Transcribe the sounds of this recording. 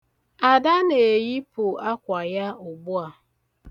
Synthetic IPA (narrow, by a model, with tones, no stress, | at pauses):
a˨da˦ne˨ji˦pʊ˨a˦kʷa˨ja˦ʊ˨bʊ˦a˨